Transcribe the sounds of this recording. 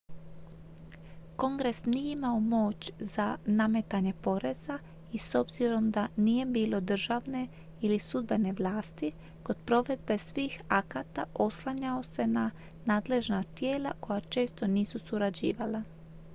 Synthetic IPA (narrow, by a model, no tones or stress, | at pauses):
ko̞ŋɡɾe̞snijeimaomo̞ːt͡ɕzaname̞t̪aɲe̞po̞ɾe̞z̥a | iso̞bziɾo̞md̪anije̞biːlo̞d̪r̩ʒaʋne̞ | ilisud̪̚be̞ne̞ʋlˠaːst̪i | ko̞d̪̥pɾo̞ʋe̞d̪̚be̞sʋiːxakat̪aʔo̞slˠaɲao̞se̞na | naːd̪le̞ʒnat̪je̞ːla̰ko̞jat͡ʃe̞ːst̪o̞niːsusuɾad͡ʑḭːʋala